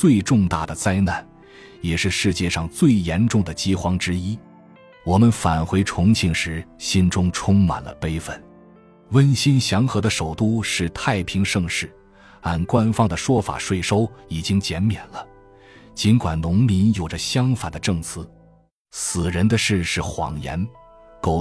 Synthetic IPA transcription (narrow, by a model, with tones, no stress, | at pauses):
t͡swe˥˧ɪʈ͡ʂʊ˥˧ŋt̪a̰˥˩d̪ə˩t͡sa˥ɪna˥˩n | jɛ˨˩ʂɻ̩˥˧ʂɻ̩˥˧t͡ɕjɛ˥˧ʂɑ˥˧ŋt͡swe˥˩ɪjɛ˧˥nʈ͡ʂʊ˥˩ŋd̪ə˩t͡ɕi˥xwɑ˧˥ŋʈ͡ʂɻ̩˥i˥ | wɔ˨˩mə˦nfa˨˩nxwe˥ɪʈ͡ʂʰʊ˧˥ŋt͡ɕʰi˧˩ŋʂɻ̩˧˥ɕi˥nʈ͡ʂʊ˥ŋʈ͡ʂʰʊ˥ŋma̰˨˩nlə̰˦pe˥ɪfə̰˥˩n | wə˥nɕi˥nɕjɑ˧˥ŋxɤ˧˥d̪ə˧ʂo˨˩ʊt̪u˥˧ʂɻ̩˥˧t̪ʰa˥˩ɪpʰi˧˥ŋʂɤ˥˧ŋʂɻ̩˥˩ | a˥˧nkwa˥nfɑ˥˧ŋd̪ə˨ʂwɔ˥fa̰˨˩ʂwe˥˩ɪʂo˥ʊi˨˩t͡ɕi˥ŋt͡ɕjɛ˧˥nmjɛ˨˩nlə˦ | t͡ɕi˧˥nkwa˨˩nnʊ˧˥ŋmi˧˥njo˨˩ʈ͡ʂə˦ɕjɑ˥ŋfa˨˩nd̪ə˦ʈ͡ʂɤ˥˩ŋt͡sʰɹ̩˥˩ | sɹ̩˨˩ɻə˧˥nd̪ə˧ʂɻ̩˥˧ʂɻ̩˥˩xwɑ̰˨˩ŋjɛ̰˧˥n | ko˨˩